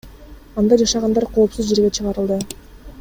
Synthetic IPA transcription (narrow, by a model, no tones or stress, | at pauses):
ɑnd̪ɑd͡ʒɑʃɑʁɑnd̪ɑɾqʰo̞ːpsuzd͡ʒe̞ɾɡet͡ʃʰɯʁɑɾɯlˠd̪ɯ